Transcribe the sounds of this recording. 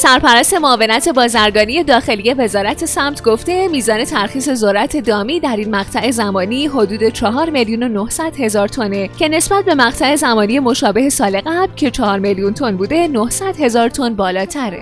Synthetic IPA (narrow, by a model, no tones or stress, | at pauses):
sæɾpæɾæst̪e̞moːve̞næt̪ʰe̞bɒːzæɾɡɒːnije̞d̪ɒːxe̞lije̞ve̞zɒːɾæt̪ʰe̞sæmt̪ʰɡoft̪e̞miːzɒːne̞t̪ʰæɾxiːse̞zoɾæt̪ʰe̞d̪ɒːmiːd̪æɾiːnmæɣt̪ʰæʔe̞zæmɒːniːɦo̞d̪uːd̪e̞t͡ʃʰɒɦɒːɾme̞ljuːno̞nohsæd̪̥he̞zɒːɾt̪ʰo̞ne̞cʰe̞ne̞sbæt̪̚be̞mæɣt̪ʰæe̞zæmɒːnije̞mo̞ʃɒːbe̞ɦe̞sɒːle̞ɣæblcʰe̞t͡ʃʰɒhɒːɾmeljunt̪ʰo̞nbuːd̪e̞nohsæd̪̥he̞zɒːɾt̪ʰo̞nbɒːlɒːt̪ʰæɾe